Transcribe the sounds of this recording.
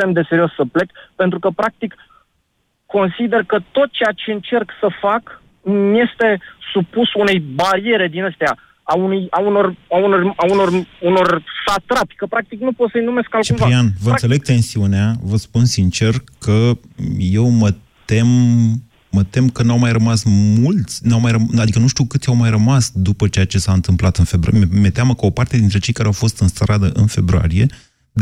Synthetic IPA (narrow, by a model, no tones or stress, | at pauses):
emd̪e̞seɾio̞sːəple̞kpe̞nt̪ɾukəpɾak̚t̪ikː | o̞nsid̪e̞rkət̪o̞t̪̚t͡ʃe̞jat͡ʃe̞ɨnt͡ʃe̞rksəfak | mje̞st̪e̞supusune̞jbaɾie̞ɾe̞d̪inəst̪ea | aunujauno̞raunorauno̞runo̞rsat̪ɾapʲkəpɾak̚t̪iknupo̞t̪səjnume̞skalkt͡ʃiupɾaɾianvəɨnse̞le̞ɡ̚t̪e̞nsiuneavəspunsint͡ʃe̞rkʰəje̞wmət̪e̞mː | ət̪e̞mkənawmajrəmasmult̪sʲnawmajrənad̪ikənuʃt̪iukɨt̪sjawmajrəmasd̪upət͡ʃe̞jat͡ʃe̞saɨnt̪ɨmplat̪ɨnfe̞bɾme̞t̪eaməkəo̞part̪ed̪int̪ɾe̞t͡ʃe̞jkaɾeawfo̞st̪ɨnst̪ɾad̪əʔɨnfe̞bɾo̰a̰ɾije̞